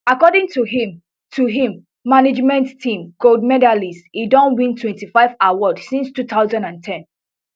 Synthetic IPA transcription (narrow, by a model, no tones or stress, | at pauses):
akɔdĩŋtuɦim | tʰuɦĩmː | aned͡ʒmɛ̃nttʰĩmɡ̥oldmɛdalisidɔ̃nwĩntʰwɛ̃ntifaɪvawɔdsĩnstut̪aʊzãndãntʰɛ̃n